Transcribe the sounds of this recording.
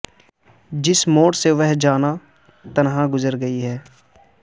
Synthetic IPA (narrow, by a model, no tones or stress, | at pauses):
d͡ʒɪsmoːʈseʋɛɦd͡ʒaːna | t̪ənɦãːɡʊzəɾɡəiɦɛː